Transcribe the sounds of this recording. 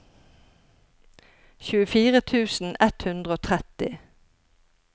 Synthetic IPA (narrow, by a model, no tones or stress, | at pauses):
çʉːəfiːʁət̪ʰʉːsn̩ɛt̪hʉnd̪ʁəoːt̪ʰʁɛt̪ɪ̰